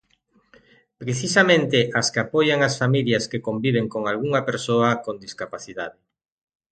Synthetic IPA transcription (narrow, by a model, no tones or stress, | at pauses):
pɾeθisamẽnt̪ɪʔaskeapojaŋasfamiljɐskekombiβ̞eŋkoŋalɣuŋɐpeɾsoɐkond̪iskapaθiðaðe